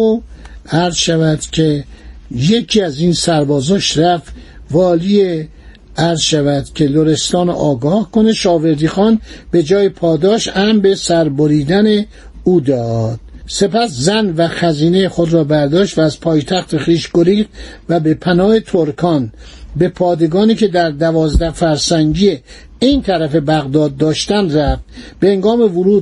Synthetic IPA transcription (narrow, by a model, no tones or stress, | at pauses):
oæɾzʃævæd̪̥cʰe̞je̞kʰiːæziːnsæɾbɒːzoʃɾæf | vɒːlie | æɾzʃævæd̪̥cʰe̞loɾe̞st̪ɒːnʔɒːɡɒːhkoneʃɒːve̞ɾd̪iːxɒːnb̥e̞d͡ʒɒːjepʰɒːd̪ɒːʃæmbe̞sæɾboɾiːd̪æne | uːd̪ɒːd̪̥se̞pæszænvæxæziːne̞jexod̪ɾɒːbæɾd̪ɒːʃt̪væːzpʰɒːjt̪ʰæxt̪eχiːʃɡ̥oɾiːxd̪̥væbe̞pʰænɒːhet̪ʰoɾkʰɒːn | be̞pʰɒːd̪e̞ɡɒːniːke̞d̪æɾd̪ævɒːzd̪æhfæɾsæŋɟiːe | int̪ʰæɾæfe̞bæɣd̪ɒːd̪ːɒːʃt̪ænd̪ræft̪b̥eheŋɡɒːme̞vʊɾuː